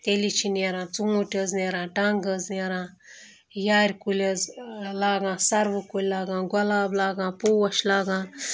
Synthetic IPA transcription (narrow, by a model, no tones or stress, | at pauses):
t̪elit͡ʃʰineɾãːt͡sumuʈʲəzneːɾãːʈaŋɡəzneɾãː | jaːɾʲkulʲɐzlaːɡãːsɐɾʋukulʲlaːɡãːɡɐlaːblaːɡãːpuːwɐʃlaːɡãːn